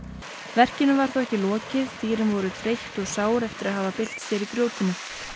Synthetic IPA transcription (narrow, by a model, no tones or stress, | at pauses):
vɛr̥cɪnʏvaɾ̥θawɛhcɪlɔːcɪðt̪iːɾɪmvɔɾʏt̪ʰɾejht̪ɔɣsaːwɾɛft̪ɪɾaðɦaːvapɪl̥t̪sjɛɾikɾjoːwt̪ɪnʏ